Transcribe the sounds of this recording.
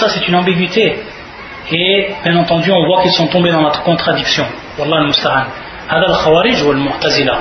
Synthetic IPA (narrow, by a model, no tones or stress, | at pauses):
saset̪ynɑ̃biɡɥit̪e | ebjɛ̃nɑ̃t̪ɑ̃d̪yɔ̃vwakilsɔ̃t̪ɔ̃bed̪ɑ̃nɔt̪χʁə̥kɔ̃t̪χad̪iksjɔ̃ | wɑlˤːɑhəlmʊst̪aʕanː | hæd̪ælxawæɾəʒhuwəlmʊʕt̪æzəla